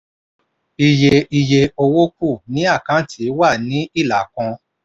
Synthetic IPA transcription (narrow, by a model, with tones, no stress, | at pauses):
i˨je˨i˨je˨o˧wo˦ku˦˨nĩ˨˦a˦˨kã˨˦tʰi˨˦wa˦˨nĩ˨˦i˦˨la˨kɔ̃˧